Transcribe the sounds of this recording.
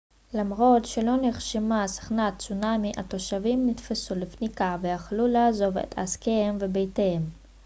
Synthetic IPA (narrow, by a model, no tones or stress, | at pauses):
lamʁo̞tʃelo̞neχʃimasḁχnat͡sunamiʔa̰t̪o̞ʃavimnitfesulefnikavejaχlulaːzo̞ve̞̰t̪a̰skehemvebejtehem